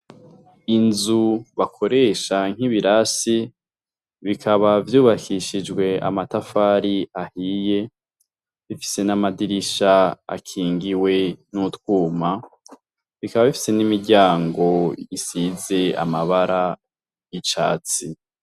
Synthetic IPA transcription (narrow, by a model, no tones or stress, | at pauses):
inzuβakʰo̞ɾe̞ʃaŋ̥iβiɾasi | βikʰaβavjuːβakʰiʃid͡ʒɡwe̞a̰matafaːɾiahije̞ | βifi̥se̞namadiɾiʃaa̰kʰiːŋɡiwe̞nutwuːma | βikaβaβifi̥se̞nimiɾɟaːŋɡo̞isize̞a̰maβaɾa | it͡ʃa̰ːt͡si